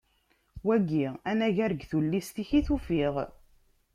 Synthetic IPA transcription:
wæɡːiænæʝæɾəɡθulːist̪içiθufiʁ

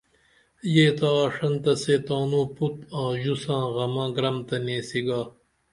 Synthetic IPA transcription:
jeːt̪aːʂɐnt̪ɐseːt̪aːnũːput̪̚ãːʑusãːɣɐmãːɡɾɐmt̪ɐnẽːsiɡaː

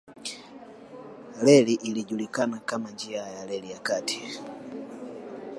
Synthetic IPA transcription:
lɛliʔiliʄulikanakamand͡ʒiajalɛlijakati̥

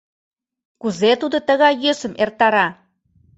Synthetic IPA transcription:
kuzet̪ud̪ot̪əɣɑjːøsə̆mert̪ɑɾɑ

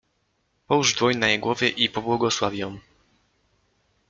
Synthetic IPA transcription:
pɔwuʐd̪vɔɲnajeɡwɔvʲjɛʔipɔbwɔɡɔswavʲjɔm

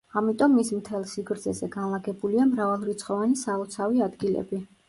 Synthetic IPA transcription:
amit̪ʼɔmːismt̪ʰɛlˠsiɡɾd̪zɛzɛɡanlˠaɡɛbuliamɾavalˠɾit̪sʰχɔvanisaɔt̪sʰaviad̪ɡilɛ̰bi

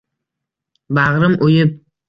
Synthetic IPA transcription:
baʁɾɪmʔojɪp̚

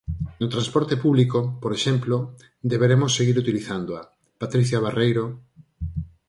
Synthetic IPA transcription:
not̪ɾanspɔɾt̪epuβlikopoɾeʃemplo | d̪eβeɾemosːeɣiɾut̪iliθand̪oa | pat̪ɾiθjaβarejɾo

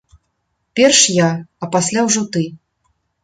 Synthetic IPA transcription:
pʲɛrʂjaɐpasʲlʲawʐɔt̪ɨ

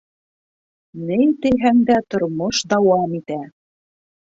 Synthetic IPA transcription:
nɘjt̪ɘ̆ɦæŋd̪æt̪ŏɾmoʃd̪ɑwɑmit̪æ

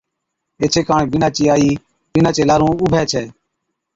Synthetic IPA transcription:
eːt͡ʃʰeːkãːɳeːbɪnaːt͡ʃiːaːiː | bɪnãːt͡ʃeːlaːɾũːʊbʱɛːt͡ʃʰɛː

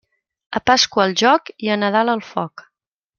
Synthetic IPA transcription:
əpaskwəːlˠʒɔkiənəðaləlˠfɔk

